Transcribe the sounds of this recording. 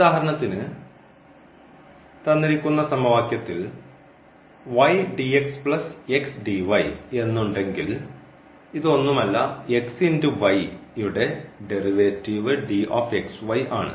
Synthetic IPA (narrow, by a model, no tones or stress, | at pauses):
uðaːɦɐɾɐɳɐt̪ːinɨ | t̪ɐnːiɾikʲːunːɐsɐmɐʋaːkjɐt̪ːil | ʋɐjɖiekspɭɐseksɖiʋɐje̞nːuɳɖe̞ŋɡil | iðɨo̞nːumɐlːɐe̞ksindɨʋɐjjuɽe̞ɖe̞riʋetːiːʋɨɖioːfe̞ksʋɐjaːɳɨ̰